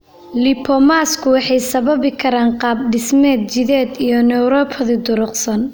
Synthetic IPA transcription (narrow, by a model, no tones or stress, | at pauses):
lɪpʰɔmaːskʰʊwɑħɑjsɐβɐβɪkʰɐɾaːɴqɑːb̚ɖɪsmɛːd̪̚t͡ʃɪðɛːd̪ijɔnɛwɾɔːpʰɐðɪd̪ʊɾʊqsɐn